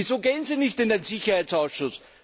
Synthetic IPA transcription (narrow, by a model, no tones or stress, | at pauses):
izoːɡeːənziːnɪçtɪndenzɪçɐhaɪt͡saʊsʃʊs